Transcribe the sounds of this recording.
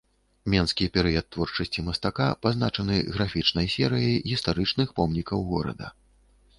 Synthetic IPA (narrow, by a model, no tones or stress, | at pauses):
mʲɛnskʲipʲɛɾɨjɐt̪ːvɔrt͡ʂɐsʲt͡sʲimɐst̪akapaznat͡ʂɐnɨɣɾafʲit͡ʂn̪ɐjsʲɛɾɨjɐjɣʲist̪aɾɨt͡ʂnɨxpɔmnʲikɐwɣɔɾɐ̰d̪ɐ̰